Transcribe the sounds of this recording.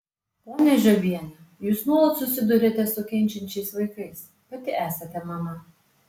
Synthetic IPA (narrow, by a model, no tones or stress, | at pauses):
poːnʲɛʒʲobʲiɛnʲɐ | juːsnuɔlˠɐt̪sʊsʲɪd̪ʊɾʲeːt̪ʲɛsʊkʲɛnʲt͡ʃʲɛnʲt͡ʃʲɛɪsʋɐɪkɐɪs | pɐt̪ʲɪʔæːsɐt̪ʲɛmɐmɐ